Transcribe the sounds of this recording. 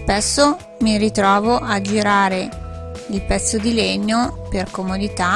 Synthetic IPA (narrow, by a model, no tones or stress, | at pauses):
spɛsːo | mirit̪ɾɔːvoʔad͡ʒiɾaːɾeilpɛt̪sːod̪ileɲːoperkomod̪it̪a